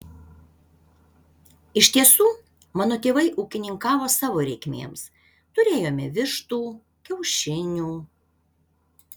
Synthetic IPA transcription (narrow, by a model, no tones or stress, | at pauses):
ɪʃʲt̪ʲiɛsuː | mɑːnoːt̪ʲeːʋɐɪʔuːkʲɪnʲɪŋkɑːʋoːsɑːʋoːɾʲɛɪkʲmʲḛːms | t̪ʊɾʲeːjoːmʲɪʋʲɪʃt̪uː | kʲɛʊʃʲɪnʲuː